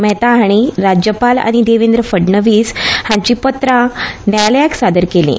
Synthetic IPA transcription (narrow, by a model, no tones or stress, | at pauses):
mɛɦt̪ãɦaɽ̃iɾad͡ʑjəpala̰ɽ̃id̪eʋend̪ɾəfəɖɳəʋiːshãɲt͡ɕiːpət̪ɾãnajljaksad̪əɾkelḭ̃